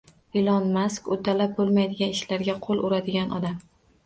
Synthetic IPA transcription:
ɪlˠɒnmaskot̪ʰalap̚bolˠmajd̪ɪɡʲanɪʃlaɾɡʲaqʰolˠʔʊɾad̪ɪɡʲanɒ̰d̪am

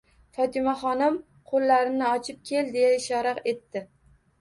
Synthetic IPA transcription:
fɒt̪ʰɪmaχɒnɪm | qʰolˠːaɾɪnɪɒt͡ʃʰɪp̚kʲʰe̞ld̪e̞jaɪʃɒɾɑqe̞t̪ːɪ

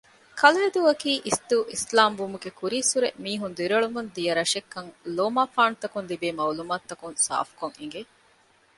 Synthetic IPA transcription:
kɐlɐɦed̪uɐkiːʔisd̪uʔislaːmʋumuɡekuɾiːsuɾḛmiːɦund̪iɾɐɭumund̪ijɐɾɐʃekːɐŋloːmaːfaːnut̪ːɐkunlibeːmɐwlumaːt̪ːɐkunsa̰ːfu̥koŋiŋɡe

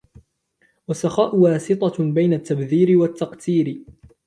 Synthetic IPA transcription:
wasːaxaːʔʊwaːsɨt̪ˤɑbajnat̪ːabðiːɾɪwat̪ːɑqt̪iːɾ

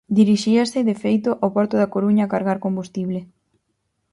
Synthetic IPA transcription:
d̪iɾiʃiasɪðefejt̪ʊʔawpɔɾt̪ʊðakoɾuɲakaɾɣaɾkombust̪iβlɪ

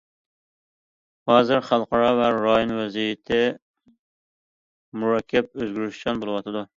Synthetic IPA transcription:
hɑːzɪɾχɑlˠqʰɑɾɑvæɾɑːjonwɛzijɪt̪ʰɪ | muɾɑkʲʰːɛp̚øzɡʲyɾyʃt͡ʃ̪ɑnbolˠɨwɑt̪ʰɨd̪u

